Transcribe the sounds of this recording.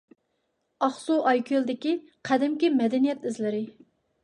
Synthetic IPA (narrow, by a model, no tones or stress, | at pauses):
ɑχsuʔɑjkʲʰøld̪ɪkʲi | qʰɛd̪ɪmkʲimɛd̪ɛnijɛt̪ɪzlɪɾɪ